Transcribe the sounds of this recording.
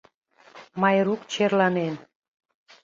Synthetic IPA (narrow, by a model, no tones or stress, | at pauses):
mɑjɾukt͡ɕerlɑnen